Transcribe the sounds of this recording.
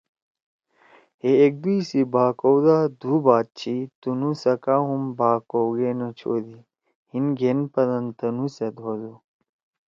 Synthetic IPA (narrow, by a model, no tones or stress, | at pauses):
heek̚d̪uisibaːkowd̪aːd̪uːbaːt̪̚t͡ɕʰit̪unusɐkaɦumbaːkowɡenɐt͡ɕʰo̰ːd̪i | hinɡenpɐd̪ɐnt̪ɐnused̪ʱod̪u